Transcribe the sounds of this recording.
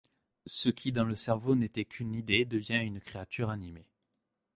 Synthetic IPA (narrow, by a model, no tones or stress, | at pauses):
səkʲʰid̪ɑ̃ləsɛʁvonet̪ɛkʲʰynid̪ed̪əvjɛ̃ynkχeat̪yʁanime